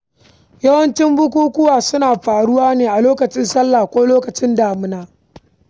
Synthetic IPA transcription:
jɐ˦wɐ˦nt͡ʃɪ˦mbʊ˦k̬ʷuː˦kʷʊ˦waː˨sʊ˦naː˨ɸaː˨ɽʊ˦waː˦neː˨ʔa˨loː˦kɐ˨t͡ʃɪ˦nsɐ˦lːaː˨kʷoː˦loː˦kɐ˨t͡ʃɪ˦ndaː˨mʊ˦naː˨

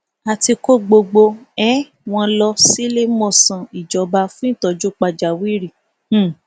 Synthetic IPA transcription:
a˧ti˧ko˦ɡ͡bo˧ɡ͡bo˧ɛ˦ | w̃ɔ̃˧lɔ˧si˦le˦mɔ̃˦˨sã˨i˨d͡ʒɔ˨˧ba˧fũ˦ĩ˦˨tɔ˨d͡ʒu˦k͡pa˧d͡ʒa˨wi˦ɾĩ˦˨˦

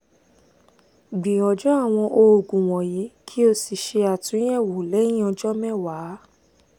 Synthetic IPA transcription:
ɡ͡bĩ˨ɔ˨d͡ʒɔ̃˦a˦˨w̃ɔ̃˧ʔo˧o˨ɡũ˨w̃ɔ̃˨ji˨˦kʰi˦o˧si˨ʃe˧a˨tũ˨˦ɛ̃˦˨wo˨lɛ̃˨˦ĩ˦ɔ̃˧d͡ʒɔ˦mɛ̃˦˨wa˨˦

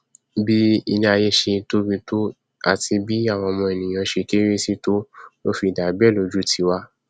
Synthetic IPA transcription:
bi˦i˧nĩ˧a˧je˧ʃe˧˦to˦bi˧to˦ | a˦˨ti˧bi˦a˦˨w̃ɔ̃˧mɔ̃˧e˨nĩ˨j̃ã˨˧˦ʃe˧ke˦ɾi˦si˦to˦jo˦fi˧˨da˨˦bɛ˦˨lo˨˧d͡ʒu˦tʰi˨˧wa˧˦

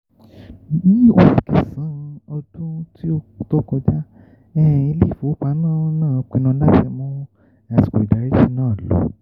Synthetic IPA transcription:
mĩ˦o˧˦i˨kɛ˨sã˨˦˨ɔ˧dũ˦ti˦o˧to˦kɔ˧d͡ʒa˦ | ɛ˦˨i˧le˦˨fo˨˦o˦k͡pa˧˦nãː˦˨˦nãː˦˨˦k͡pẽ˧nã˧˦la˦˨tɛ˧mɔ̃˦ | a˨ti̥˨ko˨i˨da˨˦ɾi˦ti˧˦nãː˦˨lo̰˨˦

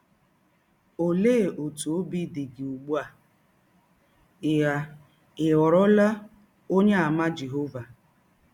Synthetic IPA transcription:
o˨leː˦˨ʔo˨tu˨o˦bi˦di˨ɡɪ˨u˨ɡ͡bu˦a˨ | ja˦ | ɪ˨ɔ˨ɾɔ˦la˦ | o˦ɲe˦a˨ma˦d͡ʒe˨ɦo˦va˨

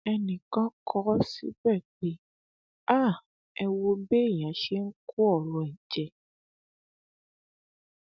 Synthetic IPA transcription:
ɛ˧nĩ˨kã˦kʰɔ˦sḭ˦bɛ˦˨k͡pe˦ | a˦˨ | ɛ˧wo˧be˦˨jã˨ʃe˦ŋ̩˦ku˦ɔ˦˨ɾũ˨ɛ˨d͡ʒɛ˧

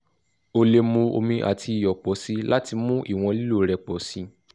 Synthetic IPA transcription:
o˧le˧mũ˧o̰˧mĩ˧ʔa̰˨tʰi˧i˨jɔ˨k͡pɔ˨˦si˦la˦ti˧mũ˦ʔḭ˦˨w̃ɔ̃˧li˦lu˦˨ɾɛ˧k͡pɔ˨˦sĩ˦

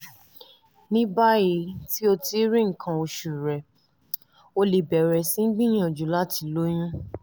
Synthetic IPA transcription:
nĩ˦ba˦je˧˦ti˦o˧ti˧˦ɾĩ˦ŋ̩˨kʰã˧o˧ʃu˨ɾɛ˨ | o˧le˨bɛ˨ɾɛ˨sĩ˦ŋ̩˦ɡ͡bĩ˦j̃ã˦˨d͡ʒũ˨˦la˦ti˧˦lo˦j̃ũ˦

